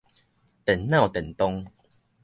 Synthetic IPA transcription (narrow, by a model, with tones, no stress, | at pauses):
t̪ɛ˨˩nnã˥˨wt̪ɛ˨˩nt̪ɔ˦ŋ